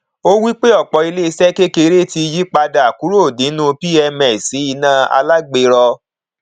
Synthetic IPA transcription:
o˦wi˦k͡pe˦ɔ˦˨k͡pɔ˧i˧le˦i˧sɛ˦ke˦ke˧˦ɾe˦ti˧ji˦k͡pa˧da˨a˨ku˨˦ɾo˦˨dĩ˨˦nũ˦pi˦ɛ˧mɛ̃˨si˨˦i˧nã˦a̰˧la˦ɡ͡be˧ɾɔ˧

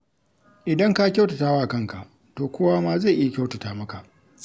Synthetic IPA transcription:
ʔɪ˨dɐ˦ŋka˦kʲa˦wtɐ˨taː˦waː˦˨kɐ˦˨ŋka˨ʔ | toː˨kʷoː˦waː˦maː˦za˦˨ʔɪ˦ja˦kʲa˦wtɐ˨taː˦mɐ˦ka˨ʔ

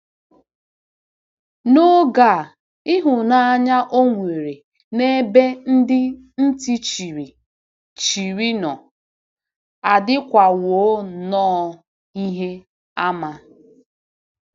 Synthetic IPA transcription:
no˦ɡa˦˨ | ɪ˦ɦʊ˨na˦a˦ɲa˦ʔo˦ŋʷe˨ɾe˨ | ne˦be˦n̩˦dɪ˦ | n̩˦ti˦t͡ʃi˨ɾi˨ | t͡ʃi˨ɾi˦nɔ˨ | a˨dɪ˦kʷa˨wo˨˦nɔː˦ | i˦ɦe˦ | a˦ma˦

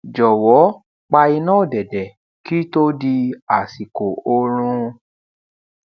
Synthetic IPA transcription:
d͡ʒɔ˨wɔ˨˦ | k͡pa˧i˧nãː˦˨dɛ˨dɛ˨ | ki˦to˦di˧a˨si˨ko˨o˧ɾ̃ũ˧

